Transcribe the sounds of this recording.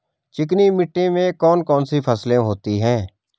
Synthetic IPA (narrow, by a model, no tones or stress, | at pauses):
t͡ʃɪk̬niːmɪʈːẽːmẽkɔːnkɔːnsipʰəslẽɦoːt̪iːɦɛ̃ː